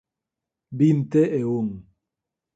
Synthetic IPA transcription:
bin̩tɛʔewoŋ

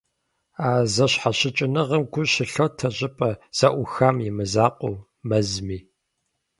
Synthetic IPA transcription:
aːzɐɕħaɕɪt͡ʃʼɪnɨʁəmɡʷʊɕɪɬɐwtʰɐɕʼɪpʼɐz̥ɐʔʷʊxɐmjɪmɨzaːqʷʼo | mɐzmiː

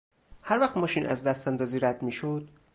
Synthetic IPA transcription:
hæɾvæxt̪mɒːʃiːnʔæ̰zd̪æst̪ænd̪ɒːziːɾæd̪miːʃod̪̥̚

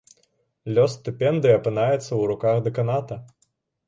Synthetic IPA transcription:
lʲɔst̪ɨpʲɛnd̪ɨjɐpɨnajɛt̪sːɐwɾukaxd̪ɐkanat̪ɐ

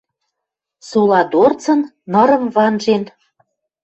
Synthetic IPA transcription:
sulɑd̪ort͡sɤ̆nːɤ̆ɾə̆mvɑnʒen

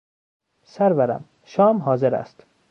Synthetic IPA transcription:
sæɾvæɾæ̰m | ʃɒːmɦɒːzeɾæ̰st̪

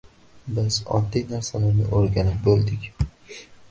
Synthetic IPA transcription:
bɪzɒ̰d̪ːijnaɾsalaɾnɪ̰ʔoɾɡʲanɪp̚bolˠd̪ɪkʲ

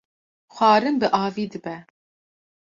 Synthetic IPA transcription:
xʷɑːɾɨmbɨʔɑːviːd̪ɨbɛ

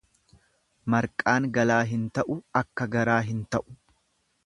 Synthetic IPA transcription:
mɐɾkʼaːŋɡɐlaːɦɪnt̪ɐʔʊɐkːɐɡɐɾaːɦɪnt̪ɐʔʊ̥

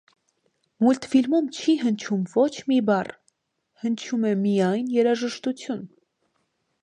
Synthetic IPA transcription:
mult̪filmumt͡ʃʰiɦənt͡ʃʰumvɔt͡ʃʰmibɑr | hənt͡ʃʰumɛmijɑjnjɛɾɑʒəʃt̪ut͡sʰjun

